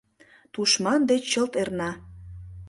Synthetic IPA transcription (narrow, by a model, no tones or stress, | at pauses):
t̪uʃmɑnd̪et͡ɕt͡ɕːəlt̪ernɑ